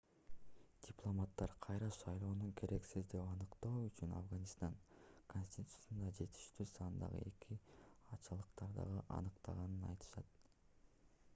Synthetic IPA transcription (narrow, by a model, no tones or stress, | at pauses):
d̥ʲiplˠo̞mat̪ːɑɾqʰɑjɾɑʃɑjlˠo̞ːnuŋkʰe̞ɾe̞ksizd̪e̞pɑnɯqt̪o̞ːyt͡ʃynɑ̰fɡanʲist̪ɑŋkonʲsʲt̪ʲit̪u̥sund̪ɑd͡ʒe̞t̪ʰi̥ʃt̪yːsɑnɯnd̪ɑ̰ʁɯ̰e̞kʰiɑt͡ʃɑlˠɯqt̪ɑɾd̪ɑ̰ʁɯʔɑ̰nɯqt̪ʰɑ̰ʁɑnɯnɑ̰jt̪ɯ̥ʃɑt̪̚